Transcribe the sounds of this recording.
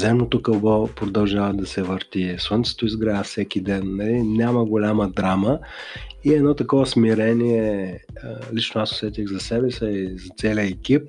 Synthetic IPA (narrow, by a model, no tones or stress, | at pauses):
zɛmnot̪okɐlˠbɔpɾod̪ɐlˠʒavəd̪ɐsɛvəɾt̪iswənt̪sɛ̥t̪oizɡɾafsɛkid̪ɛnːɐlinʲaməɡolʲaməd̪ɾamə | iɛdnɔt̪ɐkɔvəsmiɾɛniɛ | lit͡ʃnoaso̥sɛt̪ʲiɣzɐsɛbɛsɛizɐt̪sɛlʲiəɛkʲip̚